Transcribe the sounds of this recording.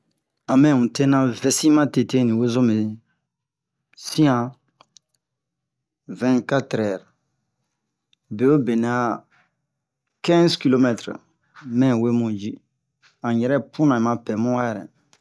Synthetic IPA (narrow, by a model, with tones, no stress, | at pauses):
ã˨mɛ̃˦˨ũ˨te˦nã˨vɛ˦sĩ˦mã˦te˨te˦nĩ˨we˦zõ˦me˨ | sĩ˦ã˨ | vɛ̃˦ka˦tɾɛ˨ɾ | be˨o˦be˨na˦ | kɛ̃˦zki˦lo˦mɛ˦t̪ɾ | mɛ̃˦˨we˦mũ˨d͡ʒi˦ | ã˨jɛ˨ɾɛ˦pʰũ˦nã˨ĩ˨mã˨pɛ˨mũ˦a˦jɛ˨ɾɛ̰˨